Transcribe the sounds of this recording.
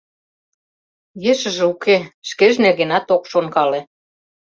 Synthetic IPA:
jĕʃə̆ʒĕukeʃkeʒnerɣenɑt̪okʃonkɑlĕ

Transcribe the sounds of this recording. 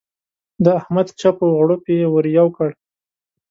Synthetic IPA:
d̪əahmad̪t͡ʃapoɣɽopewəɾjawkəɽ

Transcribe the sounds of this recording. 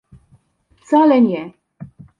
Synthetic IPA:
ft̪salɛɲɛ

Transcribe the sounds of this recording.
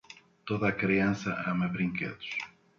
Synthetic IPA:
t̪oðɐːkɾiɐ̃sɐʔɐmɐβɾĩŋkḛðu̥ʃ

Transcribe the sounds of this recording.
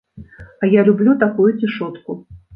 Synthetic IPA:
ɐjalʲublʲut̪akujut͡sʲiʂɔt̪ku

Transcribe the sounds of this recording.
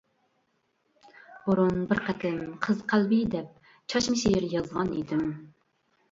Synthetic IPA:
buɾunbɪɾqʰɛt̪ʰɪnqʰəzqʰælbid̪ɛp̚ | t͡ʃʰɑʃmɪʃijɪɾjɑzʁɑnḭd̪ɪm

